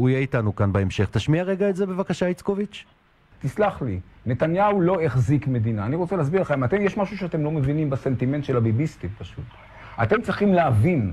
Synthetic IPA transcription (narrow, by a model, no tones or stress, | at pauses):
ujeitanukanbaemʃe̞χt̪aʃmiaʁeɡaetze̞bevakaʃait͡skovit͡ʃ | t̪islaχline̞t̪anjaulo̞eχzikme̞d̪inaːniʁot͡seleːs̬biʁleχemat̪emjeʃmaʃuʃeatemlo̞mevinimbase̞nt̪ime̞ntʃelabibist̪ipaʃut̪ | at̪e̞mt͡sʁiχimleavin